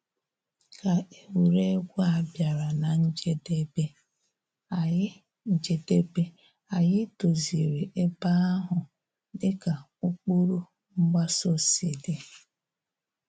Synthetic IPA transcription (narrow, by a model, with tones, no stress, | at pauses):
ka˨e˨wu˨ɾe˦ɡʷu˦a˨bja˨ɾa˨na˨n̩˦d͡ʒe˦de˦be˦ | a˨jɪ˦ | n̩˦d͡ʒe˨de˦be˦ | a˨jɪ˦to˨zi˨ɾe˨ʔe˦ba˦a˦ɦʊ˨ | dɪ˦ka˨ | u˦k͡pu˦ɾu˦ | ŋ͡m̩˦ɡ͡ba˦so˦se˨de˨